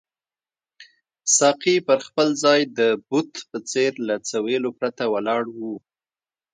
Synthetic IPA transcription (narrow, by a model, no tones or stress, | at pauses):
sɑqipəɾxpəlzɑjd̪əbut̪pət͡seɾlat͡sawelopɾat̪awalɑɽwu